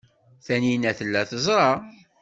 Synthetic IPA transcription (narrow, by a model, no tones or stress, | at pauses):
θæninæθəlːæθəzˤɾˤɑ